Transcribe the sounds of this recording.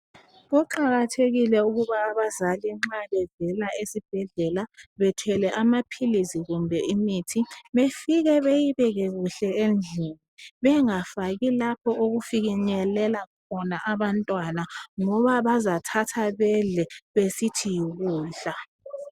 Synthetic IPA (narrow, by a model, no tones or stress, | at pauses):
ɣɔǃaɣatʰeɣilɛuɣuβaːβazaliŋ͡ǁaβɛvɛlaesib̥ʱɛɮɛlaβɛtʰwɛlɛʔamapʰilisiɣumbʱɛimitʰiβefiɣɛβejiβɛɣɛɣuɬɛend͡ɮʱuniβɛŋafaɣilapʰɔoɣufiɣiɲɛlɛlakʰɔnaʔaβantʼwanaŋɔβaβazatʰatʰaβɛɮɛβesitʰijiɣuːɬa